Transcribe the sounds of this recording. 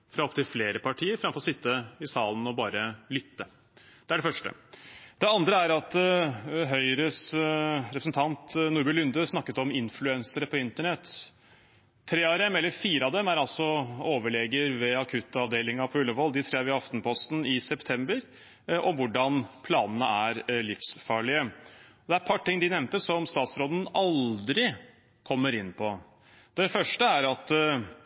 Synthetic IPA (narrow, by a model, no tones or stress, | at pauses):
fɾɑɔp̚t̪ʰɪlfleːɾəpʰɑʈʰiːəɾfɾɑmfɔɾɔsɪt̪ʰːəɪsɑːln̩ɔbɑːɾəlʏt̪ːə | d̪̥ɛæɖɛfœʂʈə̰d̪̥ɛɑnd̪ɾəæɾɑt̪ | ɦœʏɾəsɾɛpɾsn̩t̪ʰɑnt̪nuːɾbɛlʉnd̪əsnɑkːət̪ɔmɪnflʉɛnsəɾəpʰɔɪnt̪əɳɛt̪ː | ɾeːɑɾɛmɛlːəɾfiːɾəɑd̪ɛmæɾɑlsɔoːʋəɭɛːɡəɾʋɛɑkʰʉt̪ːɑʋd̪eːlɪŋɑpʰɔʉlːəʋɔld̪ɪsɾeːʋɪɑft̪n̩pʰɔst̪n̩ɪsɛpt̪ʰɛmbəɾ | ʔɔmʋʊɖːɑnpʰlɑːnənə̰æɾlɪfsfɑːɭɪəd̪ɛæɾpʰɑʈʈːɪŋːd̪ɪnɛmnt̪əsɔmst̪ɑːt̪sɾoːd̪n̩ɑld̪ɾɪ | kʰɔmːəɾɪnːpʰɔ | d̪̥ɛfœʂʈəæɾɑt̪